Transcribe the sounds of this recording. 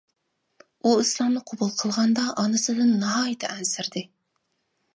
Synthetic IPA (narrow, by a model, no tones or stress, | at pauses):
uislˠɑmnɨqʰobulˠqʰəlˠʁɑnd̪ɑʔɑnɨsɨd̪ɨnːɑɦɑːjit̪ʰɛʔɛnsɪɾd̪ɪ